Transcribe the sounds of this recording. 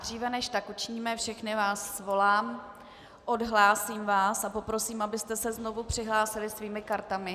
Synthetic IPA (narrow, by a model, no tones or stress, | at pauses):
d̪r̝iːvɛnɛʃt̪akut͡ʃɪɲiːmɛfʃɛxnɪvaːsvo̞laːm | ʔo̞dɦlaːsiːmvaːsapo̞pɾo̞siːmabɪst̪ɛsɛzno̞vupr̝̥ɪɦlaːsɪlɪsviːmɪkaɾt̪amɪ